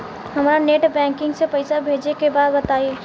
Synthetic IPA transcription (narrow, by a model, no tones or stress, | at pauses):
hɐmɾaneːʈbɛ̃ːŋkɪ̃ŋɡsepəɪsabʱeːd͡ʒekebaːd̪bət̪aːie